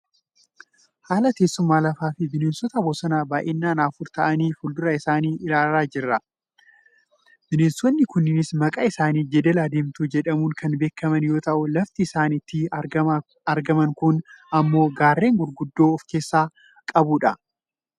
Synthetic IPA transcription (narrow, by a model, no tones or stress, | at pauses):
haːlɐt̪e̞ːsːʊmːaːlɐfaːfɪbɪneːnsɔt̪ɐboːsɐnaːbaːʔɪnːaːnaːfʊɾt̪ɐʔɐniːfʊld̪ʊɾɐɪsaːniːʔɪɾaːlɾaːd͡ʒɪrːɐ | b̥ɪneːnswɔnːɪkʊnːɪnɪsmɐkʼaɪsaːniːd͡ʒɛd̪ɛlaːd̪eːmt̪uːd͡ʒɛᶑɐmuːŋkʰɐnbe̞ːkːɐmɐnjo̞ːt̪ɐʔʊlɐft̪ɪːsaːnɪt̪ːɪ | ɐɾɡɐmɐŋkʊnɐmːo̞ːɡaːrːe̞ːŋɡʊɾɡʊd̪ːo̞ːɔfke̞ːsːaː | kʼɐbuːᶑɐ